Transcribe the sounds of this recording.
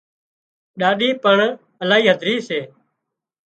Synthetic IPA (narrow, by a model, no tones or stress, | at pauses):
ɗaːɗiːpəɳ | əlaːɦiːɦəd̪ʱɾiːseː